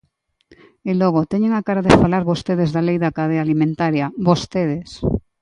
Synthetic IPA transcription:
eloɣ̞ot̪eɲeŋakaɾaðefalaɾβost̪eð̞ezðalejðakað̞eaːlimẽnt̪aɾjaβost̪eðes

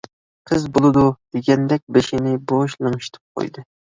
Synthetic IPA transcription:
qʰəzbolˠɨd̪ud̪̥eɡʲɛnd̪ɛk̚ʲbeʃɪnɪboʃlˠɨŋʃt̪ʰɨ̥p̚qʰo̰jd̪ɨ

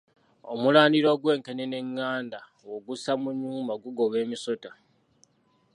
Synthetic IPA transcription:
omulaːniɾo̞ːɡwe̞ːŋkenene̞ŋːaːnda | woɡusamuɲuːmbaɡuɡo̞βe̞ːmiso̞ta

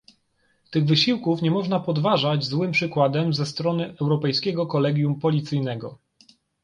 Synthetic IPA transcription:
t̪ɘɣvɘɕiwkufɲɛmɔʐnapɔd̪vaʐad͡ʑzwɘmpʂɘkwad̪ɛmzɛst̪ɾɔnɘʔɛwɾɔpɛjskʲɛɡɔkɔlɛɡʲjumpɔlʲit̪sɘjnɛɡɔ̰

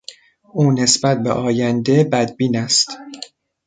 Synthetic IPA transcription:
ʔuːne̞sbæt̪̚be̞̰ʔɒːjænd̪e̞bæd̪̚biːnæst̪

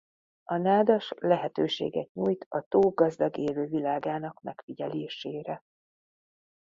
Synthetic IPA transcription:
ɒnaːd̪ɒʃlɛɦɛt̪øːʃḛːɡɛt̪̚ɲuːjt̪ɒt̪oːɡɒzd̪ɒɡeːløːvilaːɡaːnɒkmɛ̰kfiɟɛleːʃeːɾɛ

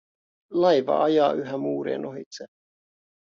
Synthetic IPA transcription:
lɑjʋɑ̰ʔɑjɑːʔyɦæmuːɾḛːnʔoɦit̪se

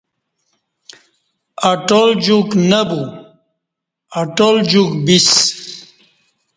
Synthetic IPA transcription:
aʈold͡ʑuknɐbu | aʈold͡ʑukbis

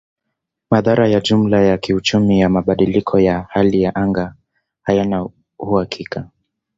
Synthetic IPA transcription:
maðaɾajaʄum̩lajakiut͡ʃumijamaɓaɗilikʰɔjahalijaʔaŋɡa | hajana | huhakʰika

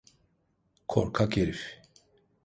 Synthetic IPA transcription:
kʰo̰ɾkʰakeɾif

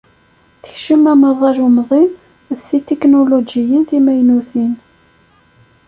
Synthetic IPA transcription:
θəçʃəmæməðˤɑɾʊmðˤin | sit̪eknolod͡ʒijənθimæjnuθin

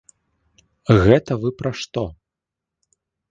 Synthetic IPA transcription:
ɣɛt̪ɐvɨpɾaʂt̪ɔ

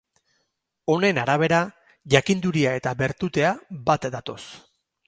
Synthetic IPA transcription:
o̞ne̞naɾaβ̞e̞ɾa | ʝakind̪uɾiae̞t̪aβe̞ɾt̪ut̪e̞abat̪d̪at̪o̞s

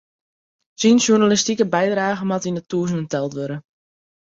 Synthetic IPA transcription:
sinʃjurnalistikəbɛjdraːɣənmatindətuːəzənəntɛlˠtʋøɾə

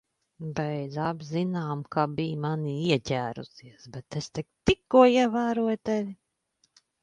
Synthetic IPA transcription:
bɛjd̪zabʲzinaːmkabiːmaniiɛcʲæːɾṵsiɛsbɛt̪est̪ɛk̚t̪ikːuɔiɛvæːɾuɔjt̪eʋʲi

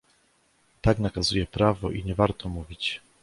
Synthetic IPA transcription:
t̪aɡnakazujɛpɾavɔʔiɲɛvaɾt̪ɔmuvʲit͡ɕ

